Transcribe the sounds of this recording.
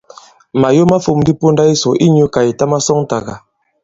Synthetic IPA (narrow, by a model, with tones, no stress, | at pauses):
ma˨jo˦ma˦fu˦˨m˦di˦po˦nda˦i˦sɔ˨ʔi˦ɲu˦ka˨i˨ta˦ma˦sɔ˦ŋ˦ta˨ɡa˨